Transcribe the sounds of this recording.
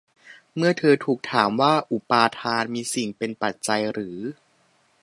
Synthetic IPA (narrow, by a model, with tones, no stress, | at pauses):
mɯ˥˩ɐt̪ʰɤː˧t̪ʰuː˨˩k̚t̪ʰaː˩˦mwaː˥˩ʔu˨˩paː˧t̪ʰaː˧nmiː˧si˨˩ŋpe˧npa˨˩t̪̚t͡ɕa˧jɾɯː˩˦